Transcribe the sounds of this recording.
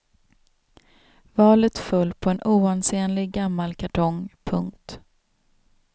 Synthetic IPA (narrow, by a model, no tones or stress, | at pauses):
vɑːlət̪fɵlːpʰɔɛnʔuːanseːnlɪɡɡamːalkʰaʈʰɔŋpʰɵŋk̚t̪